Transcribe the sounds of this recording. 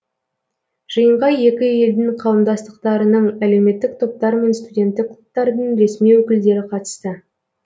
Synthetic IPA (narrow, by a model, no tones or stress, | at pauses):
ʒ̥əjəɴʁɑje̞kʲɪe̞ld̪ɪŋqʰɑwəmd̪ɑst̪əq̚t̪ɑɾənəɴæle̞wme̞t̪ːɪk̚t̪ʰo̞p̚t̪ɑɾme̞nst̪udʲe̞nt̪ːɪkq̪ʰˠp̚t̪ːɑɾd̪əɴɾe̞smijwɵkʲɪld̪e̞ɾɪqʰɑt̪ə̥st̪ə